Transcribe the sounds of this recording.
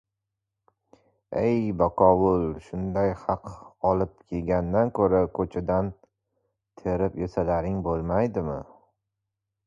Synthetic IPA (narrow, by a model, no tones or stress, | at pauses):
ejbɒqʰɒwʊlˠʃʊnd̪ajhɑqɒlɪp̚kʲʰe̞lɡʲanːankʰɵɾakʰɵt͡ʃʰad̪an | t̪ʰeɾɪpjesalaɾɪŋbolˠmajd̪ɪmɪ̰